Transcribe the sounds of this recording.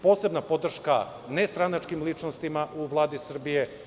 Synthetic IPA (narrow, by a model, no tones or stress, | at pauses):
po̞ːse̞bnapo̞d̪r̩ʃka | nest̪ɾanat͡ʃkimlit͡ʃnost̪imaʔuʋlˠaːd̪isr̩bije̞